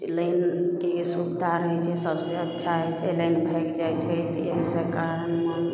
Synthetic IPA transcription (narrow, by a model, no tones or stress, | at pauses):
lənkesubd̪ʱaɾəɦjt͡ʃʰɛsəbseətːʃʰaɦɛt͡ʃʰɛlənbʱɛkd͡ʒajt͡ʃʰɛt̪ɔeɦsəkaɾənme